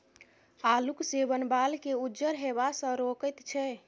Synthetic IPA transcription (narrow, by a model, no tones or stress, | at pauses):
aluksebənbalkeud͡ʒəɾɦebasə̃ɾokəjt̪t͡ʃʰɛ